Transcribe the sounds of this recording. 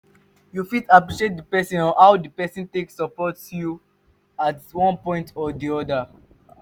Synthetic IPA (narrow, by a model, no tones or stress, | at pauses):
jufitapɹiʃiet̚dəpɛsĩnɔ̃hawdipɛsĩnteksɔpɔtju | atwɔ̃npɔ̃ɪ̃ntɔdiɔda